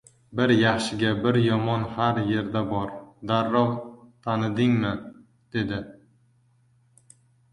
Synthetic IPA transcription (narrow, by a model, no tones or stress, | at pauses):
bɪɾjaχʃɪɡʲabɪɾjɒmɒnhaɾje̞ɾd̪abɒɾd̪aɾːɒwt̪ʰanɪd̪ɪŋmɪ | d̪̥e̞d̪ɪ